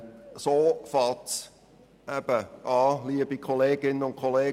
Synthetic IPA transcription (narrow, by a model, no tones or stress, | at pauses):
soːfɑlts | ʔɛb̥əʔɑːliːəbikʰoleːɡ̥ɪnənʊnkʰoleː